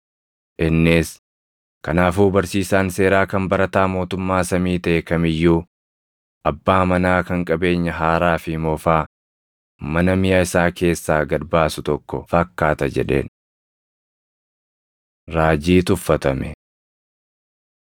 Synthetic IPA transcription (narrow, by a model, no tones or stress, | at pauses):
ʔɪnːɪs | kɐnaːfuːbɐɾsiːsaːnse̞ːɾaːkɐmbɐɾɐt̪aːmo̞ːt̪ʊmːaːsɐmiːt̪ɐʔɛkɐmɪjːuː | ʔɐbːaːmɐnaːkɐŋkʼɐbe̞ːɲːɐɦaːɾaːfɪmɔfaː | mɐnɐmɪjaːɪsaːkʰe̞ːsːaːɡɐɾbaːsʊt̪ɔkːɔ̰fɐkːaːt̪ɐd͡ʒɛ̰ᶑe̞̰ːn | ɾaːd͡ʒiːt̪ʊfːɐt̪ɐmɛ̰